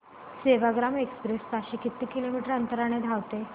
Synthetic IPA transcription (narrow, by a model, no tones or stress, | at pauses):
seʋaɡɾamekspɾest͡saɕikit̪ːikilomiʈəɾənt̪əɾaɽ̃ed̪ʱaʋt̪e